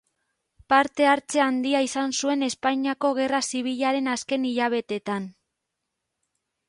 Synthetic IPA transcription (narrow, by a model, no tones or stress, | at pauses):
paɾt̪e̞aɾt͡se̞and̪iaisansue̞ne̞spaɲiako̞ɣ̞e̞rasiβ̞iʎaɾe̞naske̞niʎaβ̞e̞t̪e̞t̪an